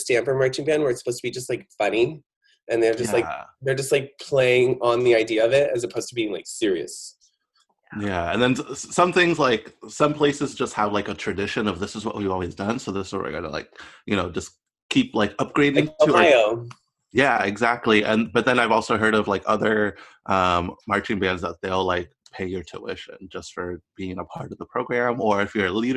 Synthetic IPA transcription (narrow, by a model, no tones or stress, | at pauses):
stæ̃mpə˞mɜ˞t͡ʃɪ̃ŋ̩bæ̃nwə˞ɨtsə̥pʰoʊz̥tʰəbid͡ʒʌs̬t̚ˡlaɪkfʌni | ʔɨ̃nðə˞d͡ʒʌjˡlaɪðə˞d͡ʒʌst̚ˡlaɪk̚pʰl̥eɪɪ̃ŋə̃nðiaɪdiɨʌvɪt̚ɨzəpʰoʊz̥tʰəbiɪ̃ŋlaɪksɪɹiɨ̰s | jæɨ̰̃nðɨ̃nssʌ̃mθɪ̃ŋzlaɪksʌ̃mpʰl̥eɪsɨzd͡ʒʌst̚həvlaɪkɨtʰɹ̥ɨdɪʃɨ̃nʌvðɪsəzwʌ̰ʔ̚wivɔlˠwizdʌ̃nsoʊðɪsɔ̰ɹa̰ɡɑ̰ɾə̰la̰ɪk̚jɨñoʊd͡ʒʌs | kʰiplaɪkʌp̚ɡ̥ɹeɪɾɪ̃ŋtɨaɪo | jæɪɡzæk̚tʰˡliʔɨ̃nbʌt̪̚ðɨ̃naɪvɔlˠsoʊɦɜ˞ɾʌvlaɪkʌðə˞ | ʔʌ̃mːɑɹt͡ʃɪ̃ŋbæ̃nzðət̪̚ðeɪlˠlaɪk̚pʰeɪjə˞tʰɨ̰wɪ̰ʃɨ̰̃nd͡ʒʌstfə˞b̥iɪ̃ŋəpʰɑɹɾʌvðəpʰɹ̥oʊɡɹæ̃mə˞ɨfjə˞liɾə